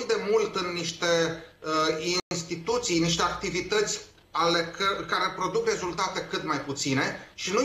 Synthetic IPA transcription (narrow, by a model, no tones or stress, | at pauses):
d̪e̞mult̪ɨnːiʃt̪e̞ | inst̪it̪ut̪sijniʃt̪e̞ak̚t̪ivit̪ət̪sʲ | aleəkaɾe̞pɾo̞d̪ukre̞zult̪at̪e̞kɨt̪majput̪sine̞ʃinu